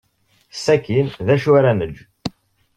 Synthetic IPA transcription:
sːækːinðæʃuɾænəd͡ʒ

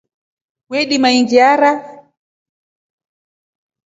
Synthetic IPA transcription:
wɛɗimaiŋɡaɾa

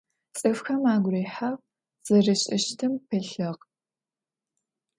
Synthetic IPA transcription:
t͡sʼɨfxɐmaːɡʷreːħaʁ | z̥ɐrɨɕʼɪʃtʰɨmpʰɨɬɐʁ

